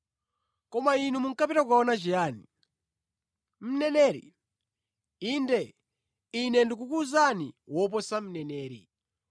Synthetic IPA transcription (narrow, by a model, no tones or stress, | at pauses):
kɔmainumuŋkapiɾakukaɔnat͡ʃijaːni | m̩nɛnɛːɾḭ | indɛ | inɛndik̬ukuzanḭwɔp̬ɔsam̩nɛnɛːɾḭ